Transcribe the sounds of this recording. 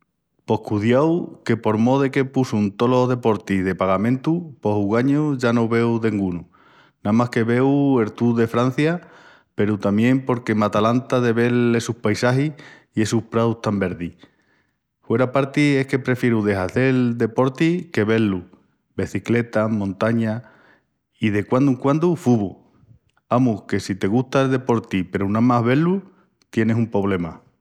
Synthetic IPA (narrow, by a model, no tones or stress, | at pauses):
po̞hkuðjawke̞po̞ɾmo̞ðeke̞pusunt̪o̞lo̞ɦðepo̞ɾt̪iðe̞paɣamẽnt̪upo̞huɣaɲoʝanowβe̞wðe̞ŋɡunu | namahke̞βe̞we̞ɾt̪uðe̞fɾan̟θja | pe̞ɾut̪amjẽ̞mpo̞ɾke̞mat̪alant̪aðe̞βe̞ɾlesuhpajsaɦi | ie̞suhpɾawt̪ambe̞ɾði | fwe̞ɾapaɾt̪ie̞hke̞pɾe̞fje̞ɾuðe̞ɦaθe̞ld̪e̞po̞ɾt̪ike̞βe̞lu | be̞θikle̞t̪amõnt̪aɲa | iðe̞kwand̪uŋkwand̪ufuβu | amuke̞sit̪e̞ɣ̞uht̪aelðe̞po̞ɾt̪ipe̞ɾunamaɦβe̞lu | t̪je̞ne̞sumpɾo̞β̞le̞ma